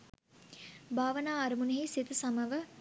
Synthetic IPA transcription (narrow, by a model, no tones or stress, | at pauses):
bʱaːʋənaːɐɾəmuneɦesit̪əsɐməʋə